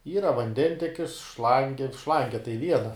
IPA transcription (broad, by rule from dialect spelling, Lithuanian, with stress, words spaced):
ˈiːrɐ ʋɐnʲˈdʲɛnʲtʲɛkʲɪs ˈʃlˠɐŋʲɡʲɪ ˈʃlˠɐŋʲɡʲɛ tɐɪ ˈʋʲiɛnɐ